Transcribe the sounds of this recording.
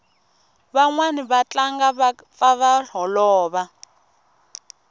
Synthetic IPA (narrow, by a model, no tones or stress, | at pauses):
βaŋwaniβat͡ɬaŋɡa | faβaɬɔlɔːβa